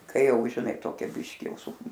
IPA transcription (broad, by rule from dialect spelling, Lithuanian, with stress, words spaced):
ˈkɐɪ ˈjɛʊ ʒʲɪˈnɐɪ ˈtoːkʲɛ ˈbʲɪʃʲkʲɪ ˈjɛʊ sʊ